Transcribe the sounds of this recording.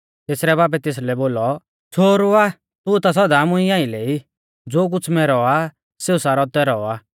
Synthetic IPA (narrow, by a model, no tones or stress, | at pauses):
t̪eːsɾɛbaːp̬ɛt̪eːs̬lɛboːlɔ | t͡sʰoːɾʊa | t̪ʊt̪as̬ɔd̪amʊ̃iaːileːi | d͡zoːk̬ʊt͡sʰmɛɾɔa | seːusaːɾɔt̪ɛɾɔa